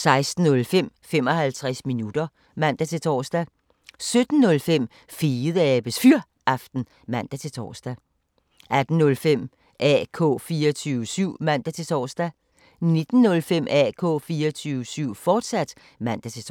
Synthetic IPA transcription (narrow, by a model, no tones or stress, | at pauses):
sɑ̈ɪsd̥n̩ːɔ̽lfem̰fem̰ɒ̽hælt͡sʰʁasminud̥ɐ | mæn̰d̥æt͡sʰe̝lt͡sʰɒːsd̥æ | sød̥n̩ːɔ̽lfem̰ | fiːð̩ˠəɛb̥əsfyɐ̰ | ɑ̈fd̥n̩ | mæn̰d̥æt͡sʰe̝t͡sʰɒ̰ːsd̥æ | ʔæd̥n̩ːɔ̽lfem̰ | ʔɛ̰kʰɔ̰̽ːfiːɒt͡sʰyːʊəsyʊ̰mæn̰d̥æt͡sʰe̝t͡sʰɒ̰ːsd̥æ | ne̝d̥n̩ːɔ̽lfem̰ʔɛ̰kʰɔ̰̽ːfiːɒt͡sʰyːʊəsyʊ̰fɒːd̥sæd̥ | mæn̰d̥æt͡sʰe̝